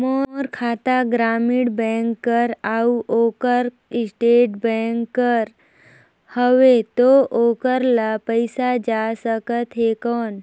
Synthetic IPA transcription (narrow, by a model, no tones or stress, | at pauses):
moɾkʰat̪aɡɾamiɽbɛ̃ŋkːəɾauokəɾ | isʈeʈbɛ̃ŋkːəɾ | həʋet̪oʔokəɾlapəjsad͡ʒasəkət̪ɦekɔːn